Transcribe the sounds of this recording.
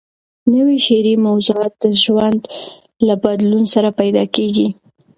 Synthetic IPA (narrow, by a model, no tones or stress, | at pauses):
nəwiʃeɾimawzuɑt̪̚d̪əʒwand̪ | labad̪lunsaɾapajd̪ɑkeɡi